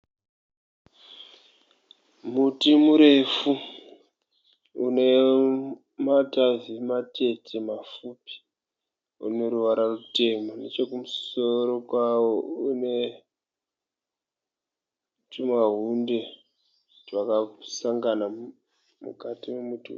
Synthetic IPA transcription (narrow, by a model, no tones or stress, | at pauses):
mutimuɾe̞fu | une̞ | matavimate̞tʰemafupi̥ | ṵne̞ɾuʋaɾarute̞mone̞t͡ʃo̞kumusoɾokwawoune̞ | tumaɦunde̞ | rwakasaŋɡana | mṵkatiwemuti